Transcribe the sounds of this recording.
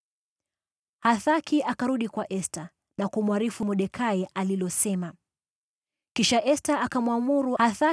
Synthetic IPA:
haθakʰiʔakaɾuɗikwaʔɛsta | nakumwaɾifumuɗɛkʰaɛʔalilɔsɛma | kiʃaʔɛstaʔakamwamuɾuhaθa

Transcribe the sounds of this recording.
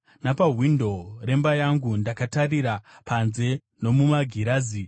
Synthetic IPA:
napaɦwindo̞re̞mbajaŋɡundakatariɾapʰanze̞ | no̞mumaɡʱiɾaːzi

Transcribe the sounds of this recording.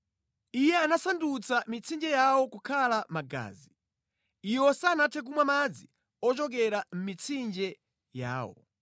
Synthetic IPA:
ijɛanasandut͡samit͡sʰind͡ʒɛjawɔkukʰalamaɡa̰ːzi | iwɔsaːnatʰɛk̬umwamad͡zi | ɔt͡ʃɔk̬ɛɾam̩mit͡sʰind͡ʒɛ | ja̰ːwɔ̰

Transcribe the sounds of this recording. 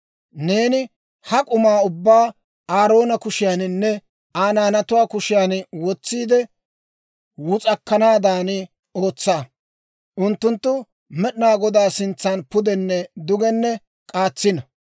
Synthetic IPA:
ne̞ːnɪ | hɐkʼʊmaːʊbːaː | aːɾo̞ːnɐkʊʃɪjaːnnːɛ | aːnaːnɐt̪ʊwaːkʊʃɪjaːnwɔt͡sːiːd̪ɛ | wʊt͡sʼɐkːɐnaːd̪aːnɪ | o̞ːt͡sːaː | ʔʊnt̪ːʊnt̪ːʊ | mɛɗɪnaːɡɔd̪aːsɪnt͡sːaːnpʊd̪ɛnːɛd̪ʊɡɛnːɛ | kʼaːt͡sːɪnɐ

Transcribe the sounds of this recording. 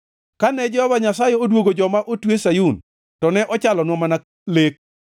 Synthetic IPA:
kanɛd͡ʒɛhɔvaɲasajɛodwoɡod͡ʒɔmaʔotwesajun | tɔnɛʔɔt͡ʃalɔnwɔmana | lek̚

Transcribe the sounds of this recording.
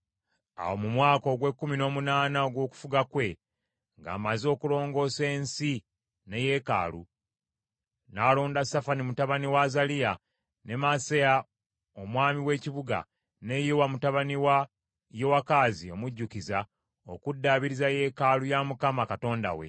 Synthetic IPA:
a̰wo̞mumwaːko̞ɡwe̞kːumino̞ːmunaːnaoɡwo̞ːku̥fuɡakwe̞ | ŋɡa̰ːmazo̞ːkulo̞ːŋɡo̞ːse̞ːnsi | ne̞je̞ka̰ːlṵ | naloːndasafanimutaβaniwazalija | ne̞maseja | o̞mwaːmiwe̞ːciβuɡa̰ | ne̞jiwamutaβaniwa | jowakaːzio̞muɟːukiza | o̞kudːaβiɾizaje̞kalujamukamakato̞ːnda̰we̞̰

